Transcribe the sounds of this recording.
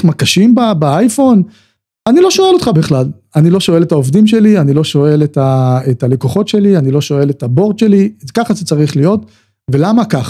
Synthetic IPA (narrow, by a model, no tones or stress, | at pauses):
makaʃimbabaajfo̞n | anilo̞ʃo̞e̞lo̞t̪χabiχlal | anilo̞ʃo̞e̞letaovdimʃe̞lianilo̞ʃo̞e̞letaetalekoχo̞tʃe̞lianilo̞ʃo̞e̞letabo̞ʁd̪ʃe̞likaχazet͡saʁiχlijo̞t | ve̞lamakaχ